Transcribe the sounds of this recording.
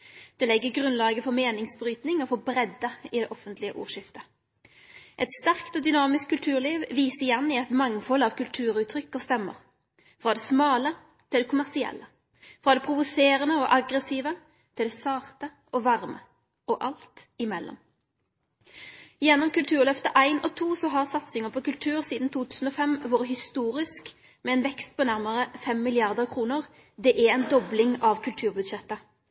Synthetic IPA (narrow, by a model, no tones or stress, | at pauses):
d̪̥ɛːlɛɡːəɡʁʉnlɑːɡəfɔʁmeːnɪŋsbɾyːt̪nɪŋɔfoːbɾɛd̪ːəɪd̪ɛːʔɔfənt̪lɪəʔṵːʁʃɪft̪ə | ʔɛt̪st̪æʁkt̪ɔd̪ʏnɑːmɪskʰːʉlt̪ʰʉːʁliːʋʋiːsəɪjɛnːɪɛt̪mɑŋfɔlːɑʋkʉlt̪ʰʉːɾʉːt̪ʰɾʏkːəʁst̪ɛmːə̰ʁ | fɾɑːd̪ɛːsmɑːlə | t̪ʰɪld̪ɛkʰʊmæʁsɪɛ̰lːə | fʁɑːd̪ɛpʰɾʊʋʊseːʁənəɔʔɑɡʁəsiːʋə | t̪ʰɪld̪ɛsɑːʁt̪ə | ʔɔʋɑʁmə | ɔʔɑlt̪ɪmɛlːɔ̰m | jɛnːɔmkʉlt̪ʰʉːʁlœft̪əʔæɪnɔt̪ʰuːsɔɦɑʁsɑt̪sɪŋəpʰɔːkʉlt̪ʰʉːʁsiːd̪n̩t̪ʰuːt̪ʰʉːsn̩oːfɛmʋoːʁəɦɪst̪uːʁɪsk | mɛɛːnʋɛkst̪̚pʰɔːnæʁməʁəfɛmːɪlɪɑʁd̪əʁkʰʁuːnəʁ | d̪ɛːʔæɛɪnd̪ɔblɪŋɑʋkʰʉlt̪ʰʉːʁbʉd̪ʃɛt̪ːə